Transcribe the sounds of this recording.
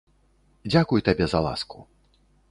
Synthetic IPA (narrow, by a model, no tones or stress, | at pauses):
d͡zʲakujt̪abʲɛzɐ̰lˠa̰sku